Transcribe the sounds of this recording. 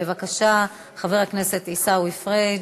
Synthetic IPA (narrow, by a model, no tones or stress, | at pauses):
evakaʃa | χave̞ʁhakne̞se̞tisauifʁe